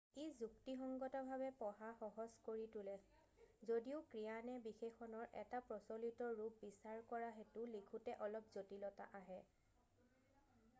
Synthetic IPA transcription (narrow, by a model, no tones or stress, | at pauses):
ezuktixɔŋɡɔtɔbʱabɛpɔɦaxɔɦɔskoɹitʊlɛ | zodiʊkɹijanɛbixexɔnɔɹʔɛ̰tapɹɔsɔlitɔɹup̚bisaɹkɔɹaɦetʊlikʰutɛʔɔlɔp̚zotilɔta̰ʔaɦɛ